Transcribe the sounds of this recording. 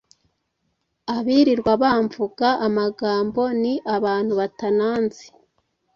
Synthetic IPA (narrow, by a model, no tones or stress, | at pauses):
aβiɾiɾɡwaβaːɱvuɡaamaɡaːmbo̞niʔaβaːn̥huβatanaːnsi̥